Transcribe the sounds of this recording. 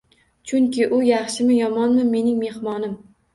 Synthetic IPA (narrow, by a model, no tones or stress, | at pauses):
t͡ʃʰʊŋkʲʰɪʔʊjɑχʃɪmɪjɒmɒnmɪme̞nɪŋme̞hmɒnɪm